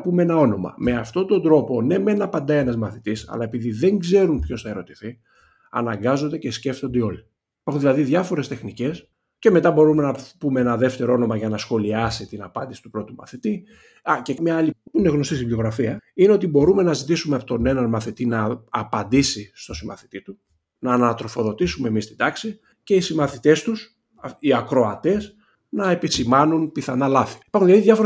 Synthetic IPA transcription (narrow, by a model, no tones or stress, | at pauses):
pumeenɐo̞no̞mɐ̰me̞ɐft̪o̞t̪o̞nd̪ɾo̞po̞ne̞me̞nɐpɐnd̪ɐienɐzmɐθit̪isɐ̰lɐe̞piðiðe̞ŋɡze̞ɾumpço̞sθɐe̞ɾo̞t̪i̥θi | ɐ̰nɐŋɡɐzo̞nd̪e̞ce̞sce̞ft̪o̞nd̪eo̞li | ipɐɾxunðilɐðiðʝɐfo̞ɾe̞st̪e̞xnice̞s | ce̞me̞t̪ɐbo̞ɾume̞nɐpumee̞nɐðe̞ft̪e̞ɾoo̞no̞mɐʝɐnɐsxo̞liɐsit̪inɐpɐnd̪isi̥t̪u̥pɾo̞t̪umɐ̰θit̪i | cemɲɐɐlipuine̞ɣno̞st̪ist̪iblio̞ɣɾɐfiɐineot̪ibo̞ɾume̞nɐzit̪isumeɐpot̪o̞ne̞nɐnmɐθit̪inɐːpɐnd̪isist̪o̞simɐ̰θi̥t̪it̪u | nɐːnɐt̪ɾo̞fo̞ðo̞t̪isume̞mist̪id̪ɐksi | ce̞isimɐθit̪e̞st̪us | iɐkɾo̞ɐt̪e̞s | nɐe̞pisimɐnunpiθɐnɐlɐθi̥ipɐɾxunlɐðiðʝɐfoɾ